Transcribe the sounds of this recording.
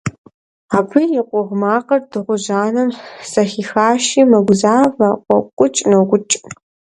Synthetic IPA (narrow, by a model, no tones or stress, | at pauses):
aːbʰɨjɪqʷʼʊʁmaːqɐrdɨʁʷʊʑaːnɐmsɐxiːxaːʃiːmɐɡʷʊzaːvɐqʷʼɔqʷʼʊt͡ʃʼnoɡʷʊt͡ʃʼ